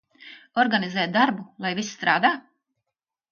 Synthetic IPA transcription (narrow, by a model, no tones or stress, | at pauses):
ɔɾɡanizɛːt̪̚d̪aɾbulˠajvisst̪ɾaːd̪aː